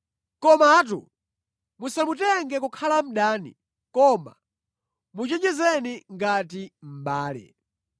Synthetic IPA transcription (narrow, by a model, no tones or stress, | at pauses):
kɔmat̬ṵ | musamutɛŋɡɛkukʰalam̩ɗaːnḭ | kɔma̰ | mut͡ʃɛɲɛzɛniŋɡat̬im̩ɓaːlɛ̰